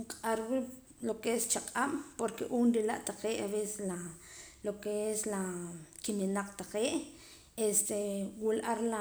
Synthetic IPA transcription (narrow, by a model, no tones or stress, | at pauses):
qʼaɾwi | lokeest͡ʃaqʼam̰poɾkeʔuːnɾilaʔt̪aqeːʔaβeːse̥slalokeeslakininaq͡χʼt̪aqeːʔ | est̪ewilʔaɾla